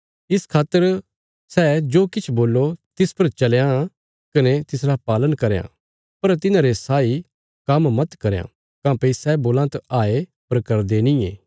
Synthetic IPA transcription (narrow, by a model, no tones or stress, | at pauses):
ɪskʰaːt̪ːəɾ | sɛd͡ʒoːkɪt͡ʃʰboːlːot̪ɪspɐɾt͡ʃɐljã | kɐnɛt̪ɪsɾapaːlənkɐɾejã̰ | pɐɾt̪ɪnãːɾesaːi | kɐmmɐt̪kɐɾjã̰ | kãːpɐisɛːboːlãt̪aaːepɐɾkɐɾd̪enɪ̃eː